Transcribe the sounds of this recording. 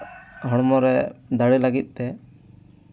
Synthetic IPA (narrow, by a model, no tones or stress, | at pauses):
ɦɔɽmɔɾɛd̪aɽilaɡit̪̚ˀt̪ɛ